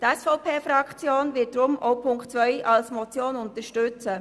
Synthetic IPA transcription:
tɛsfɔʊpʰeːfɾɑkʰt͡sjoːnvɪt̚d̥ɾʊmɔ̰ʊpʰʊŋktt͡sʋœʏʔɑlsmɔt͡sjoːnʊntəɾʃtʏt͡sə

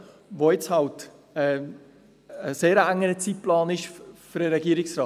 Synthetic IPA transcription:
voɪt͡shɑlt | ɛ | əseːɾəæŋːəɾət͡sit̚plɑːnɪʃfʏɾəɾɛɡiːəɾɪksrɑː

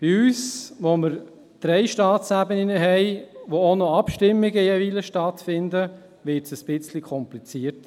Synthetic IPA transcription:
b̥iyːsʋoməɾ | d̥ɾɛɪʃtɑːtsæbənɪnəɦɛɪʋoonɔɑpʃtɪmːiɡəjɛʋiləʃtɑtfɪnd̪ə | ʋɪtsəsb̥ɪt͡slikʰɔmplit͡siːəɾt

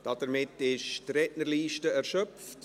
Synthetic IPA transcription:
d̥ɑd̥əɾmɪtːɪʃtrɛtnəɾliːʃtəɛɾʃœpft

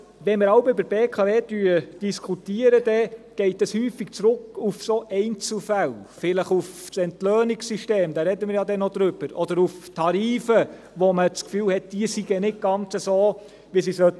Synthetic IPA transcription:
ʋɛnmɪɾɑwbʏbəɾbeːkʰɑveːd̥yːəd̥iskʰutiːəɾədɛɡ̥ɛɪtəshyːfiɡ̥t͡sɾʊkufsoʔɛɪnt͡sl̩fælfɪləχufsɛntlœːniksiʃteːmd̪ɑːɾɛdəmɪɾjɑːdɛnːɔd̥̪ɾʏb̥əɾɔd̪əɾuftʰɑɾiːfə | ʋɔmət͡skfyːlhɛt̚d̥iəsiɡənɪt̚ɡ̥ɑnt͡səsoː | ʋisisœ

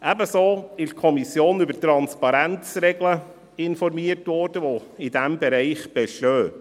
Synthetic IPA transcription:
ʔæbəsoːɪʃt̚kʰɔmisjoːnybətɾɑnspɑɾænt͡sɾɛɡlə | ɪnfɔɾmiərtʋɔɾd̥əʋoidæmbɛɾɛɪχb̥ɛʃtøː

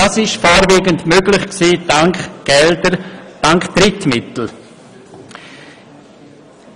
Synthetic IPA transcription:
asɪʃfaːɾveːɡəntmøɡlɪχksiːɡ̥ɛldəd̥aŋkd̥ɾɪtmɪtl̩

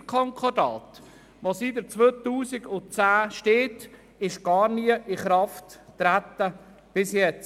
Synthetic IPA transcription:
kʰɔŋkʰɔdɑːt̪ | ʋosidət͡sʋøːt̪uːsɪɡʊnt͡sæːʃteːt | ɪʃɡ̥ɑːɾniəʔɪχɾɑftːɾæt̪ːə | b̥ɪsjɛt͡s

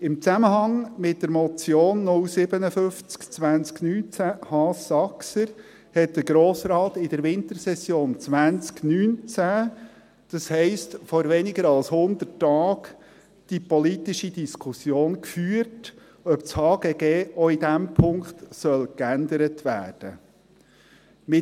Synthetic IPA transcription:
ɪmt͡sæməɦɑŋmɪt̚d̥əɾmɔt͡sjoːnːʊlsɪbənəfʏft͡skt͡sʋænt͡sknyːnt͡sæhɑːsɑksəɾ | hɛt̚d̥̪əɾɡɾoːsɾɑːtɪd̥əɾʋɪnt̪əɾsɛsjoːnt͡sʋænt͡sknyːnt͡sæ | d̥ɑshɛɪstfɔɾʋɛnɪɡəɾɑlshʊnd̪ətːɑːk | d̥ipɔlit̪iʃid̥̪iskʰusjoːnkfyːəɾt | œpt͡shɑːɡ̥ɛɡeːɔidæmpʰʊŋkt̪sœlkænd̪əɾətʋæ̰ːɾd̥ə | mɪ

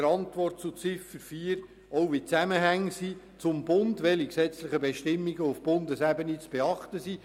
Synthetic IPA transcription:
əɾɑntʋɔrt̚t͡sut͡sɪfəɾfiːəɾ | ɔʊʋit͡sæməɦæŋsi | t͡sʊmbʊndʋɛliksɛt͡slɪχəbeʃtɪmːiɡəʊfb̥ʊndəsæbənit͡sb̥eɑχtəsiː

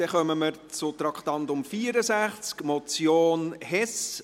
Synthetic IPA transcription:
d̥ɛχœməməɾt͡sʊt̪ɾɑkt̪ɑnt̪ʊmfiːəɾəsæχt͡skmɔt͡sjoːnhɛs

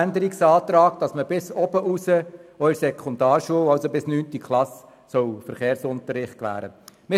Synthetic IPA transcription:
ændəɾɪksɑːt̪ɾɑːɡ̥̚d̥ɑsməbɪsɔbəʔusəɔiɾsɛkʰχɔnd̪ɑːɾʃuəwɑlsobɪsnyːntikʰlɑs | sɔwfəɾχeːɾsʊnt̪əɾɪχt̚kʋæ̰ːɾə̰mɪ

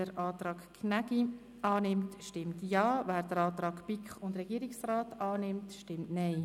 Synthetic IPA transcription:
əɾʔɑːt̪rɑːkkʰnæɡi | ɑːnɪmtʃtɪmtjɑːvæːɾd̥əɾɑːt̪ɾɑːkpɪkχʊndɾɛɡiəɾɪksraːtɑːnɪmtʃtɪmtnaɪ

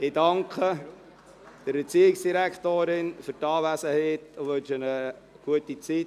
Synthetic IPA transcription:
ɪdɑŋkχə | d̥əɾbet͡siːɪksd̥iɾækʰtoːɾɪnfyɾtɑːʋæsəheːtoʋɵnʃənə | ɡ̥uətit͡sit

